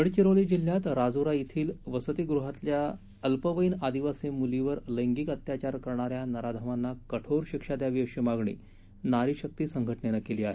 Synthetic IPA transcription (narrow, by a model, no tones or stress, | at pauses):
əɽt͡ɕiɾoliːd͡ʑil̤jat̪ɾad͡zuɾait̪ʰiːlʋəsət̪iɡɾuɦat̪lja | əlpəʋəjinad̪iʋasemuliʋəɾləjŋɡiːkət̪jat͡ɕaɾkəɾɳ̃aɾjanəɾad̪ʱəʋanːakəʈʰoɾɕikʂad̪jaʋiəɕimaɡɳḭː | naɾiːɕək̚t̪iːsəŋɡʱəʈɳenakeliːaɦḛ